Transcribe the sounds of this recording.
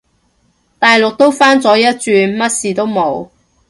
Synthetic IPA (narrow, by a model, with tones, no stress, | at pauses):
t̪aː˨jlʊ˨k̚t̪o˥wfaː˥nt͡sɔː˨˥jɐ˥t̚t͡ʃyː˧nmɐ˥t̚siː˨˩t̪o˥wmo˨˥w